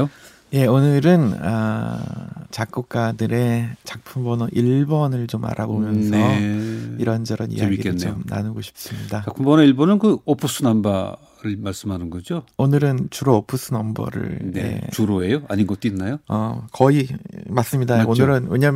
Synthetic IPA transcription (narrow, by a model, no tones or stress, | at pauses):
o | je̞onɯɾɯnʌ̰ | t͡ɕak̚k͈uk̚k͈adɯɾe̞t͡ɕak̚pʰumbʌnʌʔiɭbʌnɯɭt͡ɕoma̰ɾʔabomjʌnsʰʌiɾʌnd͡ʑʌɾʌnḭjɡieinomna̰nɯɡoɕʰi̥p̚s͈ɯmɲidat͡ɕakpʰumbʌnʌiɭbonɯnkɯopʰus͈ʰɯnamba | ɾɯɭmaɭs͈ɯmhanɯnɡʌd͡ʑoonɯɾɯnt͡ɕuɾoːpʰɯs͈ʰɯnʌmbʌ̰ɾɯ̰ɭnnḛt͡ɕuɾoejoaɲinɡʌt͈oinːajoʌkʌimas͈ɯmɲidaoonɯɾɯnweɲʌm